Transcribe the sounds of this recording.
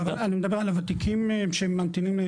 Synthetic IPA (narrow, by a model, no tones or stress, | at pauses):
avalanimed̪abe̞alavat̪ikʰimeʃeemːant̪inim